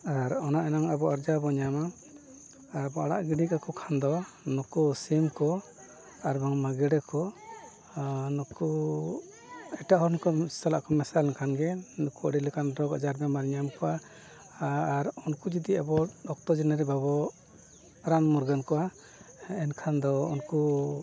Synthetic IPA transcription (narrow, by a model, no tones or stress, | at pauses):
aɾɔnaʔɛnaŋabɔaɾd͡ʒabɔɲamaː | bɔaɽa̰ʔɡiɖikakɔkʰand̪ɔ | nɔkusimkɔ | aɾbaŋmaɡɛɽɛkʰɔ | nɔku | ɛʈaʔɦɔɾnikɔsala̰ʔkɔmɛsalnkʰanɡɛnɔkuɔ̰ɽilɛkanɾɔɡɔ̰d͡ʒaɾbɛmaɾɲamkɔa | ɾunkud͡ʒid̪iabɔɗɔk̚t̪ɔd͡ʒɛnaɾibabɔ | ɾanmuɾɡankɔʔa | ɛnkʰand̪ɔṵnku